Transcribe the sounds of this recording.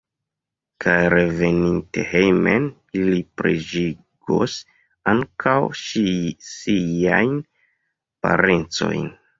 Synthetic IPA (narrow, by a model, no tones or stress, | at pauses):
kʰajɾe̞ve̞ninte̞̰hejmen | ilipɾed͡ʒi | ɡ̥o̰s | aŋkʰawʃisiajn | pa̰ɾent͡so̞̰jn